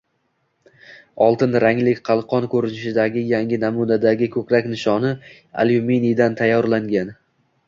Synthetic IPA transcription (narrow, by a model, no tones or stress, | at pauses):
ɒlˠt̪ɪnɾaŋlɪkʲqʰɑlˠqʰɒnkʰɵɾɪnɪʃɪd̪aɡʲɪjaŋʲɪnamud̪ad̪aɡʲɪkʰɵkʲɾakʲnɪʃɒnɪ | a̰ljumenijd̪ant̪ʰajːɒɾlaŋɡʲan